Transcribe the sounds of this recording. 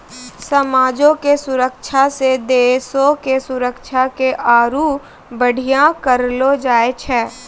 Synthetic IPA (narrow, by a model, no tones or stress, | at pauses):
sɐmaːd͡ʒõkesʊɾəkʃʰased̪eːsõkesʊɾəkʃʰakeʔaːɾu | bəɽ̤ʱijãkəɾlod͡ʒaːet͡ʃʰɛː